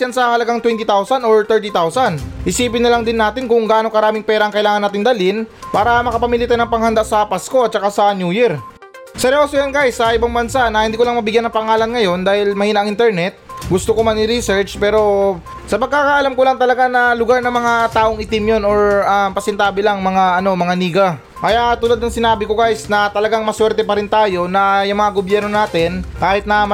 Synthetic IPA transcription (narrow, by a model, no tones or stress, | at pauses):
jansɐhɐlɐɡaŋt̪wɛnt̪it̪awsɐnʔoɹt̪ɛɹt̪it̪awsɐnhɪsiːpɪnːɐlɐŋd̪ɪnːaːt̪ɪnkʊŋɡaanokɐɾaːmɪŋpɛːɾɐʔɐŋkɐʔɪlaːŋɐnːaːt̪ɪŋd̪ɐlɪnpaːɾɐmɐkɐpɐmilɪt̪ɛnɐŋpɐŋhɐnd̪aʔsɐpɐsko̞ʔɐt̪̚t͡ʃɐkasɐnjuːjiɾ | sɛɾɪoːsojanɡajsːɐʔɪbaŋbɐnsanɐhɪnd̪iːkʊlaŋmɐbɪɡjanːɐŋpɐŋaːlɐnŋɐjo̞nd̪aːhɪlmɐhiːnɐʔɐŋʔɪnt̪ɛɹnɛt̪̚ɡʊst̪okomɐnɪɾisɛɹt͡ʃpɛːɾo̞ | sɐpɐɡ̚kakaʔɐlamkolaŋt̪ɐlɐɡanɐlʊɡaɾnɐŋmɐŋat̪aːʔo̞ŋʔɪt̪ɪmjonoɹʔampɐsɛnt̪aːbɪlaŋmɐŋaʔɐno̞mɐŋaniːɡɐ | kɐjaʔt̪ulad̪̚nɐŋsɪnaːbɪko̞ɡajsnɐt̪ɐlɐɡaŋmɐswɛɾt̪ɛpɐɾɪnt̪aːjo̞nɐjʊŋmɐŋaɡobjɛɾno̞naːt̪ɪnkaːhɪt̪̚nɐm